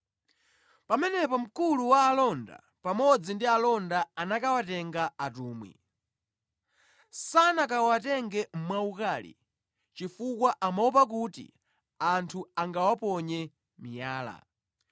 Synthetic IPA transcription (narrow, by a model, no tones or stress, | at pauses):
pamɛnɛpɔm̩kuluwaːlɔnda̰ | pamɔd͡zindialɔndaanakawatɛŋɡaatuːmwḭ | sanakawatɛŋɡɛm̩mwaukaːlḭ | t͡ʃifukwaʔamaup̬ak̬utḭ | antʰuaŋɡawapɔɲɛ | mijaːla̰